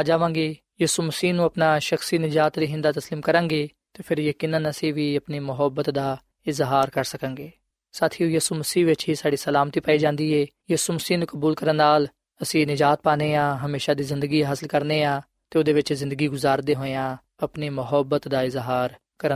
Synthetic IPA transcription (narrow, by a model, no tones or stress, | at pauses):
ad͡ʒaːʋãːŋɡeː | jiːsuːməsiːnũːəpnaːʃəxsiːnɪd͡ʒaːt̪d̪iːɦɪ̃nd̪aːt̪əsliːmkəɾãːŋɡeː | t̪eːpʰɪɾjeːkɪnənəsĩːʋiːəpniːmʊɦəbət̪d̪aː | ɪzɦaːɾkəɾsəkə̃ŋɡeː | saːt̪ʰiːjiːsuːməsiːʋɪt͡ʃɦiːsaːɖiːsəlaːmt̪iːpaːiːd͡ʒãːnd̪iːeːjiːsuːməsiːnũːkəbuːlkəɾənːaːl | əsĩːnɪd͡ʒaːt̪̚paːneːãːɦəmeːʃaːd̪iːzɪ̃nd̪əɡiːɦəsəlkəɾneːãː | t̪eːoʊd̪eːʋɪt͡ʃzɪ̃nd̪əɡiːɡʊzaːɾd̪eːɦoːeãː | əpneːmʊɦəbət̪d̪aːɪzɦaːɾ | kəɾə